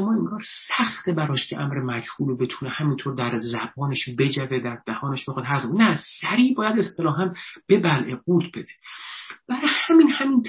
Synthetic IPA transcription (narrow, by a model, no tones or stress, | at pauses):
mɒːeŋɡɒːɾsæxt̪ʰebæɾɒːʃcʰʲeʔæmɾemæd͡ʒhuːlobe̞t̪ʰunehæmiːnt̪ʰoɾd̪æɾzæbɒːneʃbe̞d͡ʒæved̪æɾd̪̥æhɒːneʃbexɑd̪hæɾznæsæɾiːbɒːjæd̪e̞st̪ʰe̞lɒːɦæmb̥e̞bælʔeɡuːɾt̪ʰbe̞d̪eb̥æɾɒhæminhæmint̪ʰ